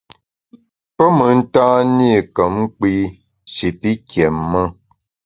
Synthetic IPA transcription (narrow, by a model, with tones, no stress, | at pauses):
pə˦mə˨˦n̩˦taː˦ni˦˨kə˨˦m˦k͡pi˦ | ʃi˨pi˦kjɛ˨mːə˦